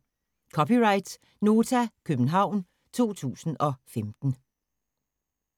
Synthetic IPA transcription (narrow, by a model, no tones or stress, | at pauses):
kʰɒ̽piʁɑ̈ɪd̥s | no̝ːt͡sʰækʰøb̥n̩ɦɑ̈ʊ̰n | t͡sʰo̝̰ːt͡sʰṵːsn̩ɒ̽femd̥n̩